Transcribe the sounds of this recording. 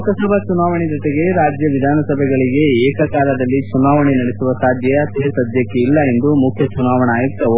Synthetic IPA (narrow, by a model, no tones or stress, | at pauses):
kɐsɐbʱɐt͡ʃunaːʋɐɳid͡ʒɔt̪eɡe̞ɾaːd͡ʒjɐʋid̪ʱaːnɐsɐbʱɛɡɐɭiɡe̞eːkɐkaːlɐd̪ɐlːit͡ʃunaːʋɐɳinɐɽesuʋɐsaːd̪ʱjɐjɐseːsɐd̪ʱjɐkːeilːɐend̪umukʰjɐt͡ʃunaːʋɐɳɐaːjikt̪ːɐu